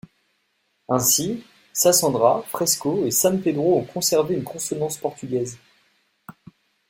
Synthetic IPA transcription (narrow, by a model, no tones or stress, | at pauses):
ɛ̃si | sasɑ̃d̪ʁafχɛskoesamped̪ʁoɔ̃kʰɔ̃sɛʁveynkʰɔ̃sɔnɑ̃spɔʁt̪yɡʲɛz